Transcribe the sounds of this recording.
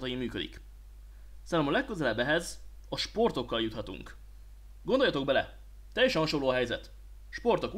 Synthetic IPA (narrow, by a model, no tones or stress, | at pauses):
t̪ɒjimyːkø̞d̪ḭk | saːlɛmɒlɛkːøzɛlɛbːɛɦɛz | ɒʃpo̞rt̪o̞kːɒljut̪hɒt̪ṵŋk | ɡond̪ojɒt̪o̞ɡ̚bɛlɛ̰ | t̪ːɛjːɛʃɛnɦɒʃo̞lːoːɒɦɛjzɛt̪ | ʃpo̞rt̪o̞k